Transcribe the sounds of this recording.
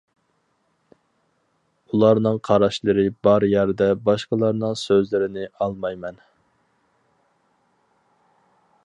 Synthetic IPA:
ulˠɑɾnɨŋqʰɑɾɑʃlˠɨɾɨbɑɾjæɾd̪ɛbɑʃqəlˠɑɾnɨŋsøzlɪɾɪnɪɑlˠmɑjmɛn

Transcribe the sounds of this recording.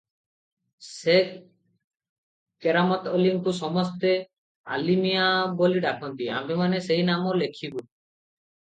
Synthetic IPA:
sek | kɛɾamɔt̪ɔliŋkusɔmɔst̪e | a̰limijaboliɖakʰɔnt̪ia̰memaneseɦinamɔlekʰibu

